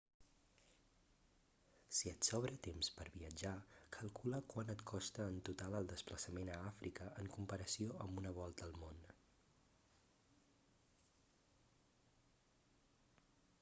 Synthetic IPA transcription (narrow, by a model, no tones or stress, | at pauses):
siət̪sɔβɾət̪emspəɾβiəd͡ʒakʰəlˠkuləkwanət̪kʰɔst̪əːnt̪ut̪alˠəlˠd̪əspləsəmenəafɾʔikəʔəŋkumpəɾəsioəmbunəβ̞ɔlˠt̪əːlˠmon